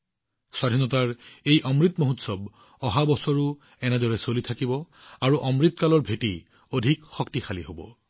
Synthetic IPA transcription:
swadʱinɔtaɹejʔɔmɹit̪moɦutsɔb | ɔɦabɔsɔɹu | ɛnɛdɔɹɛsolitʰakibɔaɹuʔɔmɹit̪kalɔɹbʱeti | odʱikxɔktixʰaliɦobɔ̰

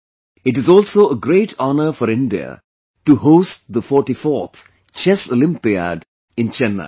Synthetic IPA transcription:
ɪʈɪzɔːlsoːʔəɡɾeːʈʰɔnəfɔɾɪ̃nɖiə̰ | ʈuhoːsʈ̚d̪əfɔːʈifɔːt̪ | t͡ʃɛsolɪ̃mpia̰ɖ | ɪ̃nt͡ʃɛnːə̰

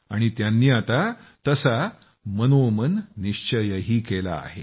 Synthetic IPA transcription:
a̰ɽ̃it̪janːiːat̪at̪əsa | mənomənːiʂt͡ɕəjəɦiːkela̰ːɦe

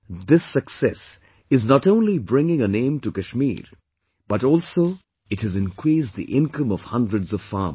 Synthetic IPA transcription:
d̪ɪsəksɛs | ɪznəʈõʊ̃nlibɾɪ̃ŋɪ̃ŋənẽɪ̃mtukɨʃmḭːɾ | b̥ʌʈɔːlˠsoː | ɨthɨzɪ̃nkʰɾiːsd̪ḭʔɪ̃nkə̃mʌv̥hʌ̃ndɹədzʌv̥fa̰ːm

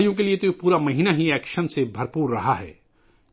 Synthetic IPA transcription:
jõk̬eliet̪oipuːɾamɐɦiːnaɦiɛːkʃənsebʱɐɾpuːɾːɐɦaɦɛ̰ː

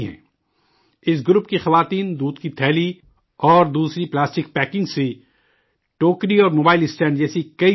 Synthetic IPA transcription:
ɦɛ̰̃ː | ɪs̬ɡɾʊpkixɐʋaːt̪iːnd̪uːd̪kit̪ʰɛːli | ɔːɾd̪uːsɾiplaːsʈɪk̚pɛːkɪ̃ŋɡsi | ʈoːkɾiɔːɾmoːbaːɪlɪsʈɛ̃ːɳɖd͡ʒɛːsikɐi

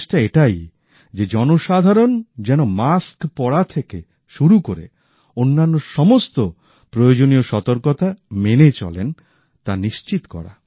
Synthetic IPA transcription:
ʃʈaeʈaj | d͡ʑed͡ʑɔnoʃad̪ʱaɾond͡ʑɛnomaskpɔɽat̪ʰeke | ʃuɾukoɾḛ | onːanːoʃɔmost̪o | pɾojod͡ʑonioʃɔt̪oɾkot̪amenet͡ɕɔ̰lḛn | t̪aniʃt͡ɕit̪kɔ̰ɾa̰

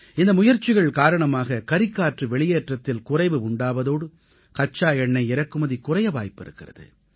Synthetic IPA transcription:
ɪnd̪ɐmʊjɐɾt͡ʃɪɣɐɭkaːɾɐɳɐmaːɣɐkɐɾɪkːaːʈrɯʋɛɭɪjeːʈrɐt̪ːɪlkʊrɐɪʋɯʊɳɖaːʋɐðoːɽɯ | kɐt͡ʃːaːɛɳːɐɪɪɾɐkːɯmɐðikʊrɐjɐʋaːjpːɪɾɯ̰kːɪrɐðɯ̰

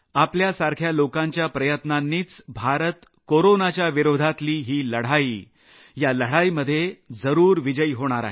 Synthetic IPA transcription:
apljasaɾkʰjalokãɲt͡ɕjapɾəjət̪nanːiːt͡sbʱaɾət̪ | koɾonat͡ɕjaʋiɾod̪ʱat̪liːɦiːləɽ̤ai | jaləɽ̤aiməd̪ʱːjed͡zəɾuːɾʋid͡ʑəjɦoɽ̃aɾa̰ɦe

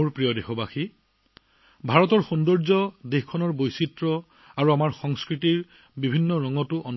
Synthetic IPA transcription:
ɹpɹijɔdexɔbaxi | bʱaɹɔtɔɹxundɔɹzɔdexkʰɔnɔɹbojsitɹɔ | aɹuamaɹxɔŋskɹitiɹ | bibʱinːɔɹɔŋɔtʊʔɔn

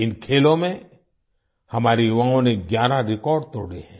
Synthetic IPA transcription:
ɪnkʰeːlõmẽ | hɐmaːɾijʋãɦõneɡjaːɾaɾɪkɔːɾɖ̚t̪o̰ːɽḛɦɛ̃ː

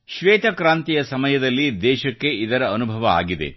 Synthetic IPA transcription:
ʃʋeːt̪ɐkɾaːnt̪ijɐsɐmɐjɐd̪ɐlːid̪ɛːʃɐkːe̞id̪ɐɾɐːnubʱɐʋɐa̰ːɡid̪ḛ

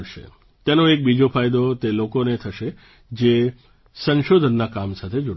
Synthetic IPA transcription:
ɽʃḛ | t̪enoek̚bid͡ʒofʰajd̪ot̪elokonet̪ʰəʃe | d͡ʒe | sə̃nʃod̪ʱənːakamsat̪ʰed͡ʒoɽ

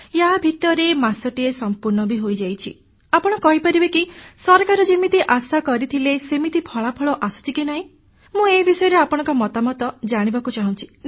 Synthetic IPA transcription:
jabʱit̪ɔɾemasɔʈiesɔmpuɾnɔbʱiɦojd͡ʒajt͡ʃʰḭ | apɔɽ̃ɔkɔɦipaɾibekisɔɾkaɾɔd͡ʒimit̪iʔasakɔɾit̪ʰilesemit̪ipʰɔɭapʰɔɭɔʔasu̥t͡ʃʰikinaɦĩ | mũebisɔjɔɾeapɔɽ̃ɔ̃ŋkɔmɔt̪amɔt̪ɔd͡ʒaɽ̃ibakut͡ʃaɦũt͡ʃʰi̥

